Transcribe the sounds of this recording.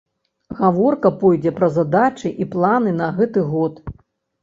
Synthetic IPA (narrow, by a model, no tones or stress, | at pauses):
ɣavɔrkɐpɔjd͡zʲɛpɾɐzad̪at͡ʂɨʔiplˠanɨnɐɣɛt̪ɨɣɔt̪